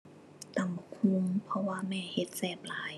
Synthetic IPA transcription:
t̪a˨˧˩m˨˧kʰu˧˥mpʰɔ˧waː˧mɛː˧˩he˧˦t̪̚sɛː˧˩p̚laː˨˦j

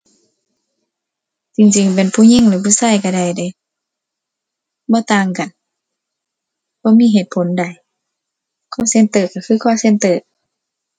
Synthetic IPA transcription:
t͡ɕi˧ŋt͡ɕi˧˩ŋp̬e˨npʰuː˧˥˨ɲe˧˥˨ŋlɯː˨˦pʰuː˧˨saː˧˨jka˧˩da˧˩jda˧˦ | bɔː˧˦t̪aː˧˩ŋka˨n | bɔː˧˥˨miː˧˥˨ɦeː˧˩t̪̚pʰo˨˦nda˨˩j | kʰɔː˧˥˨se˧˨nt̪ɤː˧˨ka˧˩kʰɯː˧˥˨kʰɔː˧˨se˧˥˨nt̪ɤː˧˩˨

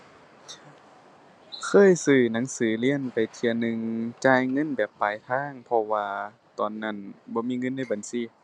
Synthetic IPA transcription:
kʰɤː˧˥˨jsɯː˧˩na˧˦ŋsɯː˨˦li˧˥˨ənpa˨jt̪ʰi˧ənɯ˧˨ŋt͡ɕaː˧˥˨jŋɤ˧˥˨nbɛː˨˩pːaː˨˩jt̪ʰaː˧˥˨ŋpʰɔ˧waː˧ | t̪ɔː˨˩nːa˧˥˩nbɔː˧˦miː˧˥˨ŋɤ˧˥˨nːa˧˥˩jba˨nsiː˧˩˨

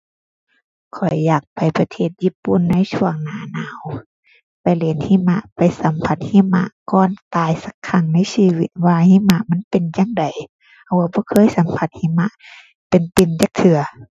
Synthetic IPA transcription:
kʰɔ˨˩jːaː˨˩k̚pa˨jpa˧t̪ʰeː˧˩t̪̚jiː˧˥˩pːu˧˥˨nːa˧˥˨jsʰu˧˥˨əŋnaː˨˦naː˨˧˦w | pa˨jle˨˦nhiː˧˥˨ma˧ʔpa˨˩jsa˨˦mpʰa˧t̪̚hiː˧˥˨ma̰˧ʔkɔː˧˩nt̪aː˨jsa˧kʰːa˧˩ŋna˧˥˨jsiː˧wi˧t̪̚waː˧hiː˧˥˨ma˧ʔma˧˥˨npe˨nja˧˨ŋda˨˩j | a˧˩waː˧bɔː˧˦kʰɤː˧˥˨jsa˨˦mpʰa˧˦t̪̚hiː˧˥˨ma˧ʔ | pe˨npi˨˧˩nt͡ɕaː˧˦k̚t̪ʰɯ˧ɐ

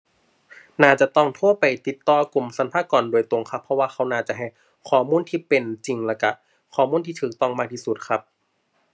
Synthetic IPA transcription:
naː˧˩t͡ɕa˨˩ʔt̪ɔ˧˩ŋt̪ʰu˧˥˩əpa˨jt̪i˨˩t̪ːɔː˧ku˨˩msa˨˧˦npʰaː˧˥˩kɔː˨˩ndu˧˩əjt̪o˨˧˩ŋkʰa˦˥pʰːɔ˧waː˧xʰa˧˥wnaː˧˩t͡ɕa˨ʔɦa˧˩j | kʰɔː˨˩muː˧˥˨nt̪ʰiː˧˩pe˨nt͡ɕi˨ŋlɛː˧˩ka˧˩ | kʰɔː˨˩muː˧˥˨nt̪ʰiː˧˩t̪ʰɯː˨˩k̚t̪ɔ˧˩˨ŋmaː˧t̪ʰiː˧˩su˨˩t̪̚kʰa˦˥p̚

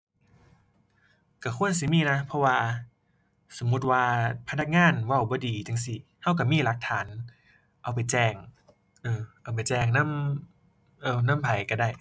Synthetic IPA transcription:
ka˧˩kʰu˧˥˨əns̬i˧˦miː˧˥˨na˧˦˥pʰɔ˧waː˧ | so˩˦mːu˧˦˥t̪̚waː˧pʰa˧na˧k̚ŋaː˧˥˨nwa˧˩wbɔː˧˦diː˨˦t͡ɕɯ˧ŋsi˧˦ha˧˥˩wka˧˩miː˧˥˨la˧˦k̚t̪ʰaː˨˦n | ʔa˨wp̬a˨˩jt͡ɕɛː˧˩ŋ | ʔɤː˧˩ʔa˨˩wp̬a˨˩jt͡ɕɛː˧˩ŋna˧˥˨m | ʔɤː˧˩na˧˥˨mpʰa˨˦jka˧˩da˧˩j

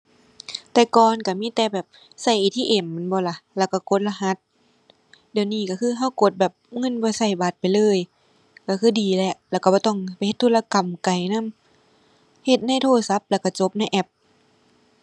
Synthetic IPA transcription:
t̪ɛː˧˩kɔː˨nka˧˩miː˧˥˨t̪ɛː˨˩bɛː˨˩p̚ | sa˧˩jt̪ʰiː˧˨ʔe˨˩mː˧˨nbɔː˧˦la˧˩lɛː˧˩˨wka˧˩ko˧˦t̪̚la˧ɦa˧˦t̪̚ | di˧˩ə˨wniː˧˩ka˧˩kʰɯː˧˥˨ɦa˧˥˨wko˧˦t̪̚bɛː˨˩p̚ŋɤ˧˥˨nbɔː˧˦sa˧˩jbaː˨˩t̪̚pa˨jlɤː˧˥˨j | ka˧˩kʰɯː˧˥˩diː˨lɛ˧˩ʔlɛː˧˨ka˧˩bɔː˧t̪ɔ˧˩˨ŋpa˨jhe˧t̪ʰːuː˧˨la˧ka˨˩mka˨˩jna˧˥˨m | he˧t̪̚na˧˥˨jt̪ʰoː˧˩sa˧˦p̚lɛ˧˩wka˧˩t͡ɕo˧˦p̚na˧˥˨jʔɛ˧˩p̚

